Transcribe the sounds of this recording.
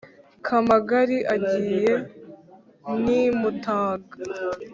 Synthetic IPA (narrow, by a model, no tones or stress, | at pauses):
kʰamaɡaɾiʔaɟiːje | nimutaːɡa